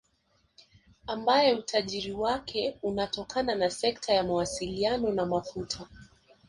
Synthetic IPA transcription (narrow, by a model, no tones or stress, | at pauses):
ambajɛutʰaʄiɾiwakʰɛunatɔkananasɛktʰajamawasilianɔnamafutʰa